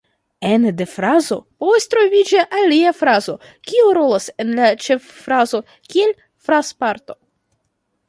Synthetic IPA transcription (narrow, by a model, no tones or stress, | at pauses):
e̞nde̞fɾazo̞po̞vast̪ɾo̞vid͡ʒaʔaliafɾazo̞ | kʲiuɾo̞lase̞nlat͡ʃe̞fːɾazo̞ | kie̞l | fɾaspaɾt̪o̞